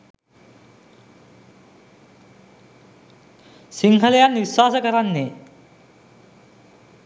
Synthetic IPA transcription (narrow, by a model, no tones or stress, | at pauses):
siŋkʰɐlejanʋiswaːsəkɐɾanːe